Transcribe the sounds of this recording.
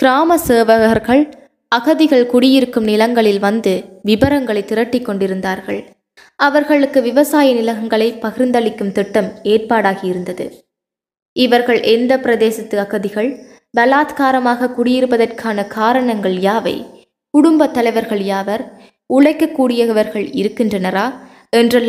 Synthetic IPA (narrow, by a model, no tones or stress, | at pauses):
kɾaːmɐseːʋɐɣɾɣɐɭ | ɐɣɐðɪɣɐɭkʊɽɪjɪɾɯkːɯmnɪlɐŋɡɐɭɪlʋɐnd̪ɯʋɪbɐɾɐŋɡɐɭɐɪt̪ːɪɾɐʈːɪkːɔɳɖɪɾɯnd̪aːɾɣɐ̰ɭ | ɐʋɐɾɣɐɭɯkːɯʋɪʋɐsaːjɐnɪlɐɣɐŋɡɐɭɐɪpɐɣɪɾnd̪ɐɭɪkːɯmt̪ɪʈːɐmeːrpaːɽaːɣɪjɪɾɯnd̪ɐðɯ̰ | ʔɪʋɐɾɣɐɭʔɛnd̪ɐpɪɾɐðeːsɐt̪ːɯɐɣɐðɪɣɐɭ | bɐlaːt̪kaːɾɐmaːɣɐkʊɽɪjɪɾɯpɐðɐrkʰaːnɐkaːɾɐɳɐŋɡɐɭjaːʋɐ̰ɪ | kʊɽʊmbɐt̪ːɐlɐɪʋɐɾɣɐɭjaːʋɐɾ | ʊɭɐɪkːɐkːuːɽɪjɐʋɐɾɣɐɭɪ̰ɾɯkːɪndrɐnɐɾaː | ɛndrɐl